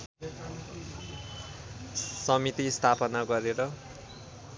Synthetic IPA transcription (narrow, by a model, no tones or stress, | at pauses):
sʌmit̪ist̪ʰapʌnaɡʌɾeɾʌ